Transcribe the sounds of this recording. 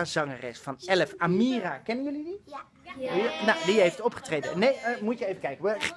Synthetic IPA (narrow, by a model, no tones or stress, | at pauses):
azɑŋərɛ̰sfɑnɛləfamiːrakɛnənjɵlidi | nadiɦejftɔpχətrejdə̰nejəmutjəejvəkɛjkəʋə